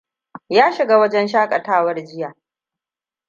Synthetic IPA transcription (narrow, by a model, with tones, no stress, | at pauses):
jaː˦ʃɪ˨ɡaː˦wɐ˦d͡ʒɛ˦nʃaː˦kʼɐ˨taː˦wɐ˦rd͡ʒɪ˦jaː˨